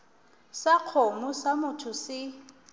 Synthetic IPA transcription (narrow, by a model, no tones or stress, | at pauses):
saq͡χʰomʊsamʊtʰʊsɪ